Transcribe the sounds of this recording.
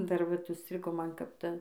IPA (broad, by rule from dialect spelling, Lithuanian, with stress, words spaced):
dɐr ˈʋɐt ʊʃʲˈsʲtʲrʲɪɡoː ˈmɐn kɐp ˈtɐ